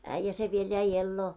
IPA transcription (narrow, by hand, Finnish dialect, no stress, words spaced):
æĭjːæ se ʋiel jæi elːoː